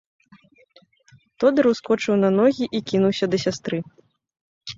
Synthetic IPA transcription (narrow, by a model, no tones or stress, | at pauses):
t̪ɔd̪ɨɾwskɔt͡ʂɨwnɐnɔɣʲiʔikʲinuwsʲɐd̪ɐsʲast̪ɾɨ